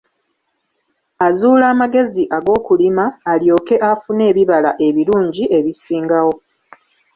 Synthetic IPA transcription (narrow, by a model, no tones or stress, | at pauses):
azuːlaːmaɡe̞ziʔaɡo̞ːkulimaːljo̞ːke̞ʔafune̞ːβiβalaʔe̞βiɾuːɲɟiʔe̞βisiːŋɡawo̞